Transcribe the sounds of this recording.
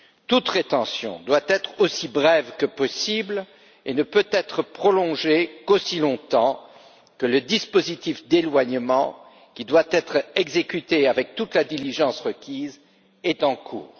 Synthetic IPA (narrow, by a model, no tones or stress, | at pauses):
t̪ut̪ʁet̪ɑ̃sjɔ̰̃d̪wat̪ɛt̪χosibʁɛvkəpɔsibl | enəpøt̪ɛt̪χəpχɔlɔ̃ʒekosilɔ̃t̪ɑ̃ | kələd̪ispozit̪ifd̪elwaɲmɑ̃ | kʲid̪wat̪ɛt̪χɛɡzekʲyt̪eavɛk̚t̪ut̪lad̪iliʒɑ̃sʁəkʲiz | ɛt̪ɑ̃kʰṵːʁ